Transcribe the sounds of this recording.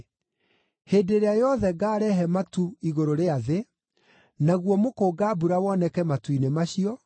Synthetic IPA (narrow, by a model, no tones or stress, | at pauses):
heːdeɾeajɔðɛɡaːɾɛɦɛmatuiɣoɾoɾeaðe | naɣwɔmokoːɡaːbuɾawɔnɛkɛmatuinemaɕiɔ